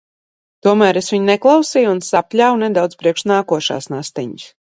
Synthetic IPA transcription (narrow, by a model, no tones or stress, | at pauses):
t̪uɔmæːɾesvʲiɲneklˠawsiːjunsapʲlʲawnɛd̪awd̪z̥pɾiɛkʃnaːkuɔʃa̰ːsnast̪ɛɲis